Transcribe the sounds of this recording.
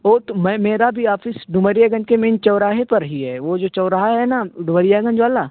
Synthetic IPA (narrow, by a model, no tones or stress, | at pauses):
ɔːɾt̪omɛ̃meːɾabʱiaːfʰɪsɖʊməɾijaɡə̃nd͡ʒkemẽːnt͡ʃɐʊɾaːɦepɐɾɦiɦɛːʋod͡ʒoːt͡ʃɐːɾaːɦaɦɛnaɖʊməɾijaɡə̃nd͡ʒʋaːlaː